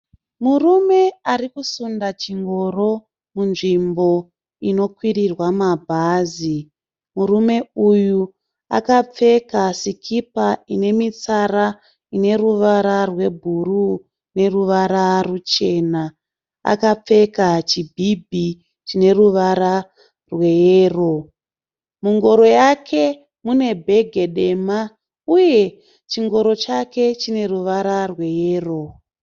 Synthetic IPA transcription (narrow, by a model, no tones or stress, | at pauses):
murume̞arikusundat͡ʃiŋɡo̞ro̞ | munʐimbo̞ | ino̞kwirirwamabʱaːzi | murume̞uju | a̰kap͡fe̞kasikʰipaine̞mit͡sara | ine̞ruʋaɾarwe̞bʱuru | ne̞ruʋaɾarut͡ʃe̞na | a̰kap͡fe̞kat͡ʃibʱibʱi | t͡ʃine̞ruʋaɾa | rwe̞jeːro̞ | muŋɡo̞ɾo̞jakʰe̞ | mune̞bʱe̞ɡʱe̞ɗe̞ma | uje̞ | t͡ʃiŋɡo̞ɾo̞t͡ʃake̞t͡ʃine̞ruʋaɾarwe̞jeːro̞